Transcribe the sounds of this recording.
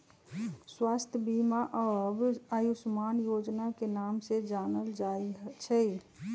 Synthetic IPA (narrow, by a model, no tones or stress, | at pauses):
swaːst̪ʰjəbimaʔəbəjusmanjod͡ʒnakenaːmsed͡ʒaːnəld͡ʒaet͡ʃʰəj